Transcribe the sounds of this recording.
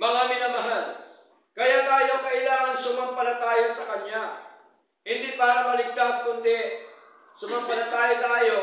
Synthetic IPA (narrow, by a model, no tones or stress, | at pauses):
mɐŋamɪnɐmɐɦal | kɐjat̪aːjoŋkɐʔɪlaːŋɐnsʊmaŋpɐlɐt̪aːjɐsɐkɐɲja | hɪnd̪ipaːɾɐmɐlɪɡ̚t̪askʊnd̪ɛ | sʊmaŋpɐlɐt̪aːjɐt̪aːjo̞